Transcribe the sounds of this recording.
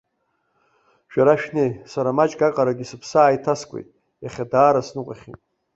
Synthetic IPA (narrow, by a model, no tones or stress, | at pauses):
ʃᶣaɾaʃᶣnejsaɾamat͡ʃʼɡakʼaɾaɡʲisɨpʰsaːjtʰaskʷʼḛjtʼ | jaχʲadaːɾasnɨqʼaχʲḭtʼ